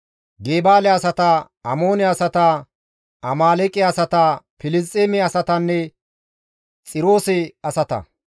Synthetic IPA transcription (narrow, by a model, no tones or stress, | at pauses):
ɡeːbaːlɛɐsɐt̪ɐ | ɐmoːnɛɐsɐt̪ɐ | ɐmaːlɛkʼɛɐsɐt̪ɐpɪlɪst͡sʼeːmɛɐsɐt̪ɐnːɛ | t͡sʼɪɾo̞ːsɛɐsɐt̪ɐ̰